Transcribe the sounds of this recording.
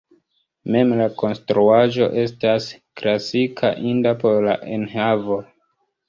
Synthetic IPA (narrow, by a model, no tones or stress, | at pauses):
me̞mlako̞nstɾuaʒo̞̰ʔe̞stasklasikʰa̰ʔindapo̞ɾlaʔe̞nhavo̞